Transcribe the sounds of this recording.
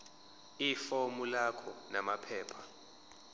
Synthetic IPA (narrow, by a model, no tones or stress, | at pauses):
ifomulakʰɔnamapʰɛːpʰḁ